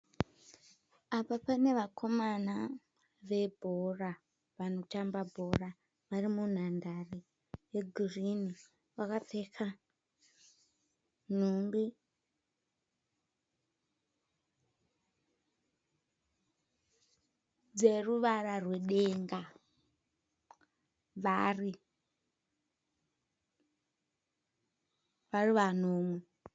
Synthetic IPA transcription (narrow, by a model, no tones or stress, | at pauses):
apapane̞ʋakʰo̞mana | ʋe̞bʱora | ʋano̞tambabʱo̞ra | ʋarimun̤andare | jeɡʱirini | wakap͡fekʰa | n̤unbi | d͡zeruʋararweɗeŋɡa | ʋari | ʋariʋan̤oːmwe